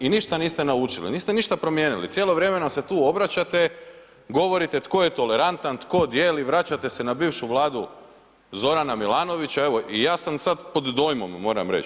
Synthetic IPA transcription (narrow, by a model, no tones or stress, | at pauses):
iniʃt̪aniːst̪e̞naut͡ʃilḭniːst̪eniʃt̪apɾo̞mjeːnilḭsjeːlˠoʋɾe̞menaset̪uːo̞bɾat͡ɕat̪e̞ | ɡo̞ʋo̞ɾit̪et̪ko̞jet̪o̞le̞ɾant̪ant̪ko̞d̪jeːliʋɾat͡ɕat̪e̞senabiːʋʃuʋlˠaːd̪u | zo̞ɾanamilˠaːno̞ʋit͡ɕaeʋo̞ʔijaːsamsad̪po̞d̪ːo̞jmo̞̰mːo̞ːɾa̰mɾḛt͡ʃ